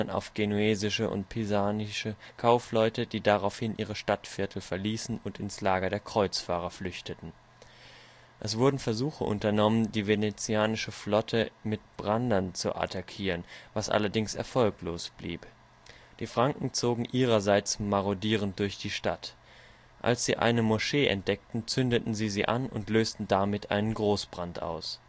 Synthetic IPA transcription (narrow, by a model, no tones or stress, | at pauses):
ɐna̰ʊfɡ̥enueːzɪʃəʔʊ̰ntpʰizaːnɪʃəkʰaʊflɔʏtədiːdaʁaʊfhɪnʔiːʁəʃtatfɪɐtʰl̩fɛɐliːsn̩ʊntɪnslaːɡɐdeːɐkʁ̥ɔʏt͡sfaːʁ̞ɐflʏçtətn̩ | ʔɛsv̥ʊɐdn̩fɛɐzuːxəʔʊ̰ntɐnɔməndiːvenet͡siaːnɪʃəflɔtʰəmɪt̚b̥ʁandɐnt͡sṵʔa̰tʰakʰiːʁənvasʔa̰lɐdɪŋsɛ̰ɐfɔlkloːsb̥lḭːp | d̥iːfʁ̥aŋkŋ̩t͡soːɡŋ̩ʔiːʁɐzaɪt͡smaʁodiːʁ̞ənt̚d̥ʊɐçd̥iːʃta̰t | ʔa̰lsz̥ḭːʔa̰ɪnəmoʃeːʔɛ̰nt̚d̥ɛk̚tn̩t͡sʏndətn̩ziːziːʔanʊ̰ntløːstn̩damɪtʔa̰ɪnənɡʁoːsb̥ʁantʔa̰ʊs